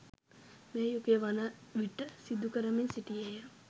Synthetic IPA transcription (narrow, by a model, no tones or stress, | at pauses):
meːjukeʋanəʋiʈːəsid̪ukəɾəmeɲsiʈiejə